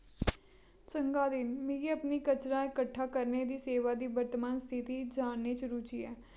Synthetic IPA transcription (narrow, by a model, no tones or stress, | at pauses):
t͡ʃəŋɡaːd̪ɪnmeːɡiːəpniːkət͡ʃɾãːɪkəʈʰːaːkəɾneːd̪iːseːʋaːd̪iːʋəɾt̪əmaːnst̪ʰɪt̪iːd͡ʒaːnːeːt͡ʃɾuːt͡ʃiːɛː